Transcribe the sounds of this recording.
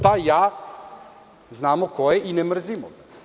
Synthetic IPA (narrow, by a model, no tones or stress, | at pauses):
t̪ajaː | znaːmokojeʔinemr̩zimo̰ɡa